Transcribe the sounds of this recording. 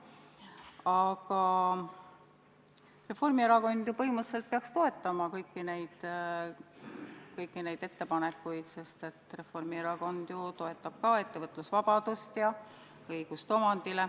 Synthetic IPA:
ɑɡ̥ɑ | re̞fo̞rmieɾɑko̞nd̪̥jupɤɦimət̪se̞lt̪̚peɑkst̪o̞e̞t̪ːˑɑmɑkɤjkˑːine̞jd̪̥ | kɤjkˑːine̞jd̪̥et̪ːe̞pɑne̞kːˑujd̪̥se̞st̪e̞t̪ːre̞fo̞rmieɾɑko̞nd̪̥jut̪o̞e̞t̪ːˑɑb̥̚kɑe̞t̪ːevɤt̪ˑlusvɑb̥ɑd̪̥ust̪jɑ | ɤjɡ̥ust̪omɑnd̪̥ile

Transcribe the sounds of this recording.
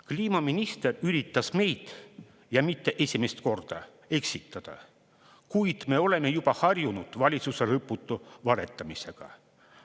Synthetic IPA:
kliːmɑminist̪e̞ryɾit̪ːˑɑsme̞jd̪̥ | jɑmit̪ːe̞ʔe̞sʲimest̪ko̞rd̪̥ɑ | e̞ksit̪ːˑɑd̪̥ɑ̰ | kujd̪̥me̞o̞le̞me̞jub̥ɑhɑrjunud̪̥vɑlʲit̪suselɤpːˑut̪ːˑuvɑɾe̞̰t̪ˑːɑmise̞ɡ̥ɑ̰

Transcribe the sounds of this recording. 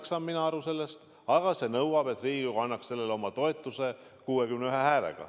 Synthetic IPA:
ksɑmminɑɑɾuse̞lːest̪ | ɑɡ̥ɑse̞nɤwɑb̥et̪riːɡ̥ikoɑnːɑksse̞lːe̞leo̞mɑt̪o̞et̪ːˑuse̞ | kuːekymneyɦehæːlḛɡ̥ɑ̰

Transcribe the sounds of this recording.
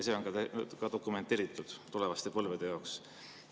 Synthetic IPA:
jɑseːo̞nkɑkɑt̪o̞kˑume̞nt̪ːˑe̞ːɾit̪ːˑud̪̥t̪ule̞vɑst̪e̞pɤlved̪̥e̞jɑoks

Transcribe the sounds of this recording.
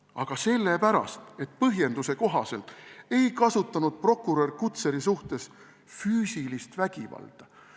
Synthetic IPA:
ɑɡ̥ɑse̞lːepæɾɑ̰st̪e̞t̪̚ːˑpɤɦje̞nd̪use̞ko̞ɦɑse̞lt̪ˑe̞jkɑsut̪ːˑɑnud̪̥̚pro̞kˑːuɾo̞rkut̪se̞ɾisuht̪e̞s | fyːsilist̪væɡ̥ivɑ̰ld̪̥ɑ

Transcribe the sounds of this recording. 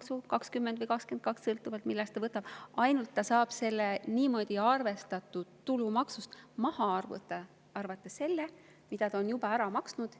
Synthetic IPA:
ksukɑkskymːend̪vɤjkɑkske̞nd̪̚kɑkssɤlt̪ːˑuvɑlt̪milːɛst̪ɑvɤt̪ːˑɑb̥ɑjnult̪ːɑsɑːb̥se̞lːeniːmo̞d̪̥ʲiɑrve̞st̪ɑt̪ːˑut̪ːulumɑksust̪mɑhɑɑrvṵt̪ːɑ | ɑrvɑt̪ːˑe̞sse̞lːe | mid̪̥ɑt̪ɑonjub̥ɑæɾɑmɑksnud̪̥

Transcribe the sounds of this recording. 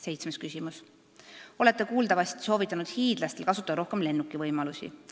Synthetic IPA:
se̞jt̪smeskysʲimus | o̞le̞t̪ːˑekuːld̪ɑvɑst̪i̥so̞ːvit̪ːˑɑnud̪̥hiːd̪̥lɑst̪elkɑsut̪ːˑɑd̪ɑɾo̞hke̞mle̞nːukːˑivɤjmɑlusʲḭ

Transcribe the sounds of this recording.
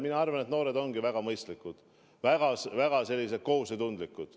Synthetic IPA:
minɑɑrvɑne̞t̪no̞ːɾe̞d̪o̞ŋɡ̥ivæɡ̥ɑmɤjst̪likːˑud̪̥ | væɡ̥ɑsvæɡ̥ɑse̞lːis̬et̪̚ko̞ɦuset̪und̪likːˑud̪̥

